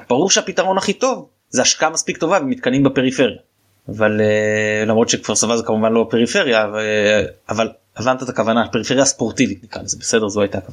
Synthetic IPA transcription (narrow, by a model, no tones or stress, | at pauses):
b̥aʁuʁʃeapitaʁo̞naχito̞v | zeaʃkaamaspikt̪o̞vavemit̪kanimbape̞ʁife̞ʁjaː | valelamʁo̞t̪ʃekv̥aʁsavazekamuvanlobape̞ʁife̞ʁja | aval | avant̪at̪akavanape̞ʁife̞ʁjaspoʁt̪ivit̪nikʁa̰lezebese̞de̞ʁzoajtakav